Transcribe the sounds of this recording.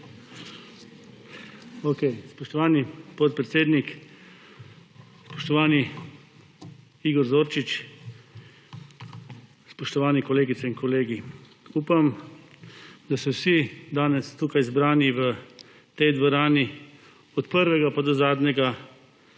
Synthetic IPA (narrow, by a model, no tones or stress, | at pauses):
okɛjspɔʃt̪ɔʋaːnipɔt̪̚pɾɛt̪seːd̪nik | spɔ̥ʃt̪ɔʋaːni | iɡɔɾzoːɾt͡ʃit͡ʃ | spɔʃt̪ɔʋaːnikɔleːɡit̪sɛinkɔleːɡi | uːpam | d̪asɛwsid̪aːnɛst̪uːkajzbɾaːniʋə | t̪ɛjd̪ʋɔɾaːni | ɔt̪pəɾʋɛɡapad̪ɔzaːd̪ɲɛɡa